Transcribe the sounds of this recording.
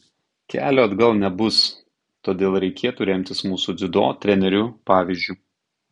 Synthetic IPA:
kʲæ̰ːlʲoːɐd̪ɡɐlˠnʲɛbʊs | t̪oːd̪ʲeːlˠɾʲɛɪkʲeːt̪uːɾʲɛmʲt̪ʲɪsmuːsuːd̪zʲɪd̪o̰ːt̪ʲɾʲɛnʲɛɾʲʊpɑːʋʲiˑzʲd͡ʒʲuː

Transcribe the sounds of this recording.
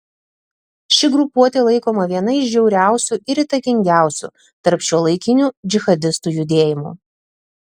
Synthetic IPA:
ʃʲɪɡɾʊpuɔt̪ʲeːlˠɐɪkoːmɐʋʲiɛnɐɪʃd͡ʒʲɛʊɾʲæˑʊsʲuɪɾiːt̪ɐkʲɪŋʲɡʲæˑʊsʲṵ | t̪ɐɾpʃʲuɔlˠɐɪkʲɪnʲuːd͡ʒʲɪxɐd̪ʲɪst̪uːjʊd̪ʲeːjɪmṵː

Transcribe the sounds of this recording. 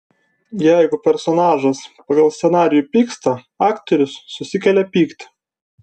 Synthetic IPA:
jæɪɡʊpʲɛɾsɔnɑːʒɐspɐɡɐlˠsʲsʲɛnɑːɾʲɪjuːpʲiːkst̪ɐ | ɑːkt̪ɔɾʲʊsːʊsʲɪkʲɛlʲɛpʲiːkt̪ʲ

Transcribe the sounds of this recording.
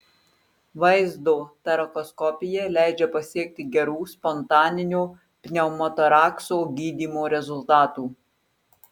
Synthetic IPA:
ʋɐɪzd̪oːt̪ɐɾɐkɔskɔpʲɪjɛlʲæˑɪd͡ʒʲɛpɐsʲiɛk̚t̪ʲɪɡʲɛɾuːspɔnt̪ɑːnʲɪnʲuː | pʲnʲɛʊmɔt̪ɔɾɑːksoːɡʲiːd̪ʲiːmoːɾʲɛzʊlˠt̪ɑːt̪uː

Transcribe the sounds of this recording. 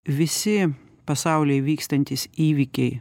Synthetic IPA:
ʋʲɪsʲɪ | pɐsɑˑʊlʲɛɪʋʲiːkst̪ɐnʲt̪ʲisiːʋʲɪkʲɛɪ

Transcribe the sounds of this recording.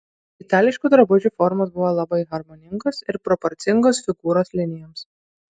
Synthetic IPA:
ɪt̪ɑːlʲɪʃʲkʲuːd̪ɾɐbʊd͡ʒʲuːfɔɾmɐsbʊʋoːlˠɐbɐɪɣɐɾmɔːnʲɪŋɡɐsɪɾpɾɔpɔɾʲt̪sʲɪŋɡoːsfʲɪɡuːɾoːslʲɪnʲɪjɔms

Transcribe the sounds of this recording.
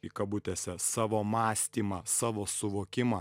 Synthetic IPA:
ikɐbʊt̪ʲɛsʲɛsɑːʋoːmɑːsʲt̪ʲiːmɑsɑːʋoːsʊʋoːkʲɪmɑ

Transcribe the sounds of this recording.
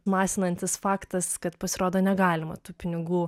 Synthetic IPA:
mɑːsʲɪnɐnʲt̪ʲɪsfɑːkt̪ɐskɐt̪pɐsʲɪɾoːd̪oːnʲɛɡɑːlʲɪmɐ̰t̪uːpʲɪnʲɪɡuː

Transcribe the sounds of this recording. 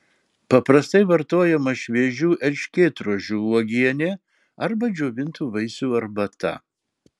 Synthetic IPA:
pɐpɾɐst̪ɐɪʋɐɾt̪oɔjɛmɐʃʲʋʲɛːʒʲuːʔɛlʲʃʲkʲeːt̪ɾuʒʲuːɔɡʲiɛnʲɛ | ɐɾbɐd͡ʒʲoːʋʲɪnt̪uːʋɐɪsʲuːɐɾbɐt̪ɐ̰

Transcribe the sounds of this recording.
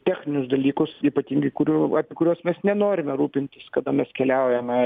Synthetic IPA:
t̪ʲæːxʲnʲɪnʲʊsd̪ɐlʲiːkʊsiːpɐt̪ʲiːŋɡɐɪkʊɾʲuːɑpʲiɛkʊɾʲuɔsmʲɛsnʲɛnoːɾʲɪmʲɛɾuːpʲɪnʲt̪ʲɪskɐd̪ɐmʲɛskʲɛlʲæʊjɛmʲɛ

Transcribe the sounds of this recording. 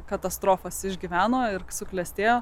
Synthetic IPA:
kɐt̪ɐst̪ɾoːfɐsɪʒʲɡʲɪʋʲæːnoːɪɾsʊklʲɛsʲt̪ʲeːjoː

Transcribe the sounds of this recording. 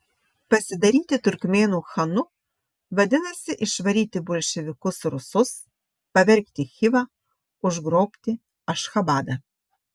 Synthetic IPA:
pɐsʲɪd̪ɐɾʲiːt̪ʲɪt̪ʲʊɾʲkmʲeːnuːxɐnʊ | ʋɐd̪ʲɪnɐsʲɪʔɪʃʋɐɾʲiːt̪ʲɪbolʲʃʲɛʋʲɪkʊsɾʊsʊs | pɐʋʲɛɾʲkt̪ʲɪxʲɪʋɐ | ʊʒɡɾoːpʲt̪ʲɪ | ɐʃxɐbɑːd̪ɐ

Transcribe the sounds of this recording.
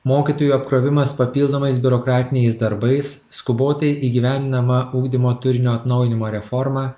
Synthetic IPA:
moːkʲit̪oːjuːɐpkɾoːʋʲɪmɐspɐpʲiːlˠd̪oːmɐɪsbʲʊɾɔkɾɑːt̪ʲɪnʲɛɪsd̪ɐɾbɐɪs | skʊboːt̪ɐɪʔiːɡʲiʋʲænʲd̪ʲɪnɐmɐʔuːɡd̪ʲɪmoːt̪ʊɾʲɪnʲoːɐt̪nɒʊjɪnʲɪmoːɾʲɛfɔɾmɑː

